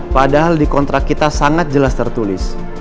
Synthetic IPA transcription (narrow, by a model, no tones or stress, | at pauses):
padaɦaldikɔnt̪ɾakit̪asaŋat̪̚d͡ʒəlast̪ərt̪ulɪs